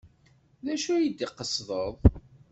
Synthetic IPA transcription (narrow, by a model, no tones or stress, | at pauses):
ðæʃujəd̪iqəsðˤəðˤ